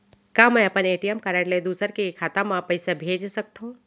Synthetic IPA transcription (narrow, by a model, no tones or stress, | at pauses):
kamɛ̃ɐpəneːʈijəmkəɾəʈled̪uːsəɾkekʰaːt̪ãmãpəɪsabʱeːd͡ʒsɐk̚t̪ũː